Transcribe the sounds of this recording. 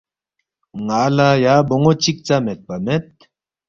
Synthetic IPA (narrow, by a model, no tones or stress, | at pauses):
ŋaːlajaboŋot͡ɕik̚t͡samet̪̚pamet̪̚